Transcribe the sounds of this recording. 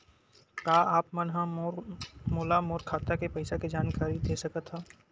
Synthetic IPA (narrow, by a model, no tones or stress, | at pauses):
kaːaːpmɐnɦã | moːlamoːɾkʰaːt̪akepɐɪsaked͡ʒaːnkaːɾid̪eːsɐkət̪ɦaː